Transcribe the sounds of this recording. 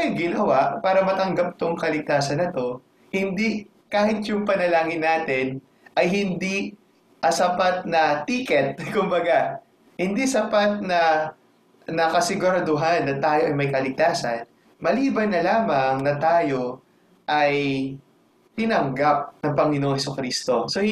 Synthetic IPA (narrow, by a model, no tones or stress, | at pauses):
ɡɪnɐwaʔpaːɾɐmɐt̪ɐŋɡap̚t̪oŋkɐlɪɡ̚t̪aːsɐnːɐt̪o̞ | hɪnd̪i | kaːhɪt̪jʊŋpɐnɐlaːŋɪnːaːt̪ɪn | ʔɐjhɪnd̪i | ʔɐsɐpat̪̚nɐt̪iːkɛt̪̚kʊmbɐɡa | hɪnd̪isɐpat̪̚nɐ | nɐkɐsɪɡʊɾɐd̪ʊɦanːɐt̪aːjoʔɐjmɐjkɐlɪɡ̚t̪aːsɐ̰n | mɐliːbɐnːɐlaːmɐŋnɐt̪aːjo̞ | ʔɐj | t̪ɪnɐŋɡap̚nɐŋpɐŋɪnoːŋsʊkɾiːst̪o̞so